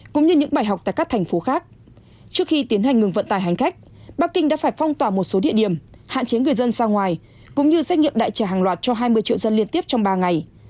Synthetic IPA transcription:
kʊ̰˧˥ŋ͡mɲɨ˧ɲɨ̰˧˥ŋɓaː˧˩jɦa˨˩wk͡p̚t̪ːjkaː˦˥k̚t̪ʰjŋ̟fo˨˦xaː˦˥k̚ | t͡ɕɨ˦˥ək̚xi˧t̪i˨˦ənɦa˨˩ŋɨ˨˩əŋvə̰˧˨nt̪aː˨˩jɦa˨˩ŋ̟xa˦˥jk̟̚ | ɓaː˦˥k̚ːï˧ŋɗa̰ː˧˥faː˧˩jfɔ˧wŋ͡mt̪waː˧˨˩mo˨˩t̚so˨˦ɗḭ˧˨əɗi˧˩əmha̰ː˧˨nt͡ɕe˨˦ŋɨ˨˩əjzə˧nsaː˧ŋwaː˨˩j | kʊ̰˧˥ŋ͡mɲɨ˧za˦˥j̟̚ŋḭ˧˨mɗa̰ː˧˨jt͡ɕaː˧˩ɦaː˨˩ŋlwaː˨˩t̚t͡ɕɔ˧ɦaː˧jmɨ˧əjt͡ɕḭ˧˨wzə˧nli˧ənt̪i˦˥əp̚t͡ɕɔ˧wŋ͡mɓaː˧ŋa˨˩j

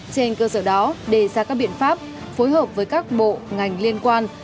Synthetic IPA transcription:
t͡ɕe˧nkəː˧səː˧˩ɗɔ˨˦ɗe˧˩zaː˧kaː˦˥k̚ɓḭ˧˨ənfaː˦˥p̚ | fo˨˦jɦəː˨˩p̚vəː˨˦jkaː˦˥k̚ɓo̰˧˨ŋa˨˩jŋ̟li˧ənkwaː˧n

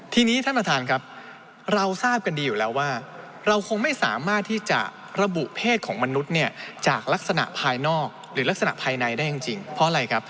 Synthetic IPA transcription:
t̪ʰiː˧niː˦˥t̪ʰa˥˩pɾa˧t̪ʰaː˧nkʰɾa˦˥p̚ | ɾa˧wsaː˥˩p̚ka˧ndiː˧juː˨˩lɛː˦˥wːaː˥˩ | ɾa˧wkʰo˧ŋma˥˩jsa̰ː˩˦maː˥˩t̪ʰːiː˥˩t͡ɕa̰˨˩ | ɾa˧bu˨˩ʔpʰeː˥˩t̪̚kʰɔː˩˦ŋma˧nu˦˥t̪̚ni˥˩ɐt͡ɕaː˨˩k̚la˦˥k̚sa˧na̰˨˩ʔpʰaː˧jnɔː˥˩k̚ɾɯː˩˦la˦˥k̚sa˧na̰˨˩ʔpʰaː˧jna˧jdaː˥˩ja˨˧ŋt͡ɕi˧ŋpʰɔ˦˥ʔa˨˧ɾa˧jkʰa˦˥p̚

